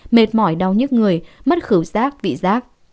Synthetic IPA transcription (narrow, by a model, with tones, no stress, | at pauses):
me˨˩t̚mɔ˧˩jɗa˨˩wɲɨ˦˥k̚ŋɨ˨˩əjmə˦˥t̚xɨ˧˦wzaː˦˥k̚vḭ˧˨zaː˦˥k̚